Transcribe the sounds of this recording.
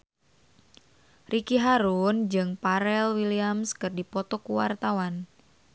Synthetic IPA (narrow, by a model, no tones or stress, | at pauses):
rʔikiɦaɾund͡ʒɨŋpaɾɛlwiliamskərdipɔt̪ɔkuwa̰rt̪awan